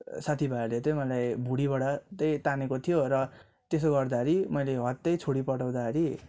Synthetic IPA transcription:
sat̪ʰibʱarlet̪ʌmʌlajbʱuɽiβaɽat̪ʌjt̪anekot̪ʰijoɾʌ | t̪esoɡʌrd̪aɦɾimʌjleɦʌt̪ːʌjt͡sʰoɽipʌʈaw̃d̪aʌɾi

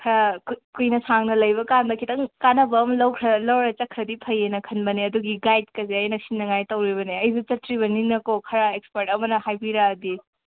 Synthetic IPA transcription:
kʰɾakujnɐsaŋnɐlɐjbɐkanbɐkʰitɐŋkanɐbɐːmlɐwkʰɾɐlowɾɐt͡ʃɐkʰɾɐdipʰɐjenɐkʰɐnbɐneɐduɡiɡajd̚kɐzeɐjnɐsinːɐŋajtɐwɾiβɐneɐjzut͡ʃɐtɾiβɐniŋnɐkokʰɐɾaekspeɾtɐmɐnɐhajbiɾaːdi

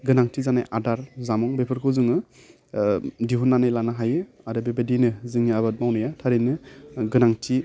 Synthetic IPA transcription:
ɡɯnaŋtʰizana̰jʔadaɾzamɔŋbepʰɯɾkʰɯzɯŋɯ | diɦunːanɯjlanaɦajɯ | aɾɯbebedinɯzɯŋiabat̚mawnɯjatʰaɾinɯɡɯnaŋtʰi

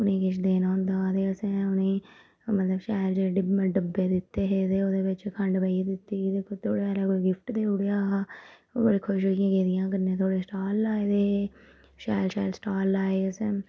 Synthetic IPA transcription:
ʊnẽːkɪʃd̪eːnaːʊ̃nd̪aːt̪eːəsẽːʊnẽː | mət̪ləbʃaːld͡ʒeɖɖəbːeːd̪ɪt̪ːeːɦeːt̪eːoːd̪eːʋɪt͡ʃkʰəɳɖbəid̪ɪt̪ːiːid̪eːkʰoːt̪ʰoːɽeːaːɾaːkoːiɡɪfʰʈd̪eːʊɽeaːɦa | bəɽeːkʰʊʃɦoːɪjãːɡeːd̪ɪjãːk̬əɾnẽːt̪ʰoːɽeːsʈaːlːaːed̪eː | ʃaːlʃaːɪlsʈaːlːaːeːəsẽː

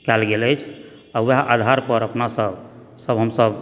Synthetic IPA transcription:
kɛlɡeləjt͡ʃʰ | awaʔad̪ʱaɾpəɾəpnasəb | səbɦəmsəb

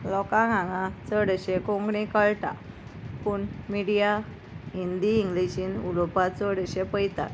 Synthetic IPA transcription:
lɔkãɡãŋɡãt͡səɽəɕekõŋɡɽĩkəɭʈa̰ | puɳmiɽija | ɦind̪iːŋɡliɕinulopat͡səɽəɕepəjt̪a̰

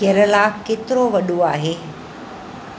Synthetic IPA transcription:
eɾəlakːet̪ɾoʋəɗuaːɦe

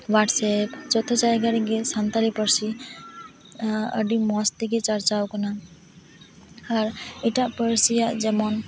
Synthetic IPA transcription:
waʈsɛpt͡ʃɔt̪ʰɔt͡ʃajɡaɾiɡesant̪aɾipəɾsi | ə̰ɖimɔst̪iɡet͡ʃəɾt͡ʃawkɔna | aɾɛʈaʔpəɾsijaʔd͡ʒɛmɔn

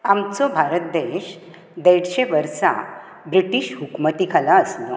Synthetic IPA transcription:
amt͡sɔbʱaɾət̪̚d̪eɕ | d̪eɽɕeʋəɾsa̰ | bɾiʈiɕɦukmət̪ikʰalaəslo̰

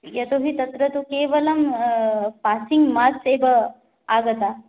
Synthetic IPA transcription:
jɐt̪oɦit̪ɐt̪ɾɐt̪ukeːʋɐlɐm | paːsiŋɡmaːt̪seːbɐ | aːɡɐt̪a

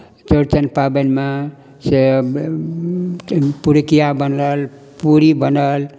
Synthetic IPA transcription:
t͡ʃəɾt͡ʃənpabənma | se | puɾkijabənəl | puɾibənəl

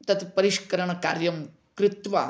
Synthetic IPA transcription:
t̪ɐt̪pɐɾiʂkɐɾɐɳɐkaːɾjɐm | kɾɪt̪ʋa̰ː

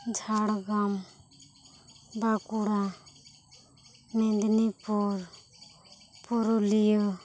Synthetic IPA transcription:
d͡ʒʱaɽɡam | bakuɽa | mɛnd̪nipɔɾ | pɔɾolijo

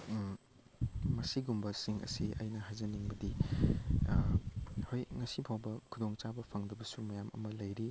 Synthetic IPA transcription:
mɐsiɡumbɐsiŋɐ̰siɐ̰jnɐɦajzɐniŋbɐdi | hojŋɐsipʰawbɐkʰudoŋt͡ʃabɐpʰɐŋdɐbɐsumɐjamɐ̰mɐlɐjɾi

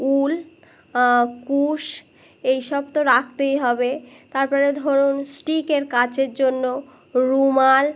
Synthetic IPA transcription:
ul | kuʃ | ejʃɔb̚t̪oɾak̚ʰt̪ejɦɔbet̪aɾpɔɾed̪ʱoɾunsʈikeɾkat͡ɕeɾd͡ʑonːo | ɾumal

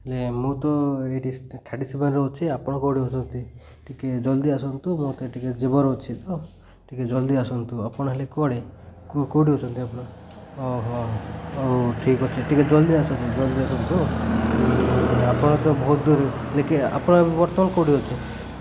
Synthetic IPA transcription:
ɦelemut̪ɔeʈisʈʰaʈisibenɾɔut͡ʃʰiapɔɽ̃ɔkowɽiot͡ʃʰɔnt̪i | ʈiked͡ʒɔld̪iasɔnt̪umut̪ɔeʈiked͡ʒebɔɾut͡ʃʰit̪ɔ | ʈʰiked͡ʒɔld̪iasɔnt̪uapɔɽ̃ɔɦelekɔɽikoɽiɔt͡ʃʰɔnt̪iapɔɽ̃ɔ | ɔɦɔ | wʈʰikɔt͡ʃʰiʈiked͡ʒɔld̪iasɔnt̪ud͡ʒɔld̪iasɔnt̪u | eapɔɽ̃ɔt̪ɔbɔɦut̪̚d̪uɾe | lekea̰pɔɽ̃ɔebbɔɾt̪ɔmanɔkowɽiot͡ʃʰi

